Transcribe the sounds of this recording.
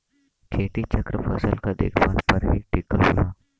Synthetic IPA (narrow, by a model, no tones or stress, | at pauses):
kʰeːʈ̪it͡ʃəkɾəpʰəsəlkad̪ḛːkʰmaːnpəɾɦiʈikəlɦonaː